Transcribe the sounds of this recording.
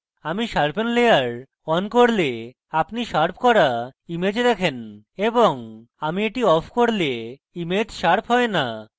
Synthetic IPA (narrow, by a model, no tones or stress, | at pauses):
amiʃaɾpenlejaɾ | ɔnkoɾle | apniʃaɾp̚ʰkɔɾaimed͡ʑed̪ɛkʰen | eboŋ | amieʈiɔpʰkoɾle | imed͡ʑʃaɾpʰɦɔena